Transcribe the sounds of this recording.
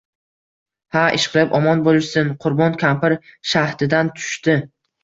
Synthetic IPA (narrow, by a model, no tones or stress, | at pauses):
haʔɪ̰ʃqʰɨlˠɪpɒmɒnbolˠɪʃsɪnqʰʊɾbɒnkʲʰampʰɪɾʃaht̪ɪd̪ant̪ʰʊ̥ʃt̪ɪ